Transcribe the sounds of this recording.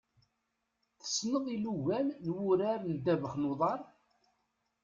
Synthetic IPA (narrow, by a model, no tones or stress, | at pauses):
θə̥snəðˤiluʝælnwʊɾaɾnd̪ævəχnoðˤɑɾˤ